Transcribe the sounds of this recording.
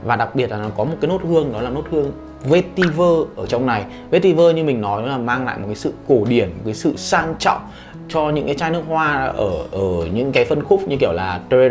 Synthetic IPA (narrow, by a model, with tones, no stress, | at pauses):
vaː˨˩ɗa˨˩k̚ɓi˨˩ət̚laː˨˩n˨˦kɔ˨˦mo˨˩kaː˨˦jno˦˥t̚hɨ˧əŋɗɔ˨˦laː˨˩no˦˥t̚hɨ˧əŋ | ve˧t̪i˧vəː˧ʔəː˧˩t͡ɕɔ˧wŋ͡mna˨˩j | ve˧t̪i˧vəː˧ɲɨ˧mï˨˩ŋ̟nɔ˨˦jɔ˨˦laː˨˩maː˧ŋla̰ː˧˨jmo˨˩t̚kaː˨˦sɨ̰˧˨ko˧˩ɗi˧˩ənmo˨˩t̚ka˨˦jsɨ̰˧˨saː˧ŋt͡ɕɔ̰˧˨ŋ͡m | t͡ɕɔ˧ɲɨ̰˧˥ŋkaː˨˦t͡ɕaː˧jnɨ˦˥ək̚hwaː˧ʔəː˧˩ʔəː˧˩ɲɨ̰˧˥ŋkaː˨˦jfə˧nxʊ˦˥k͡p̚ɲɨ˧ki˧˩əwlaː˨˩t̪e˧